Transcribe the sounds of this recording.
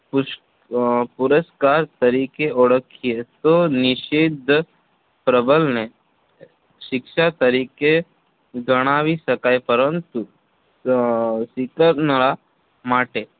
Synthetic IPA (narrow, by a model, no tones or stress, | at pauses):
pu | pʊɾəskaːɾt̪əɾiːkeɔɽəkʰːijet̪onɪʃid̪ʱ | pɾəbəlne | ʃɪkʃat̪əɾiːke | ɡəɽ̃aːwisɐkaːepəɾənt̪u | sikəɾnəɭa | maːʈe